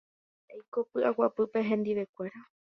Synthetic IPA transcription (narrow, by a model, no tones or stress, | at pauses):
ejko̞pɨʔawapɨpe̞ɦẽ̞nd̪iʋe̞kʷe̞ɾa